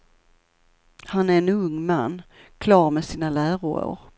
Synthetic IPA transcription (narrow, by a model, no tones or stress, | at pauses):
hanæɾɛnɵŋːmanː | kʰlɑːɾmɛsiːnalæːɾʊ̰ɾə̰ɾ